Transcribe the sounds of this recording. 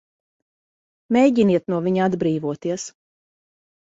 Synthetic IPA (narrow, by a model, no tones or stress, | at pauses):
mʲejɟiniɛt̪nuɔvʲiɲad̪bɾiːvuɔt̪iɛs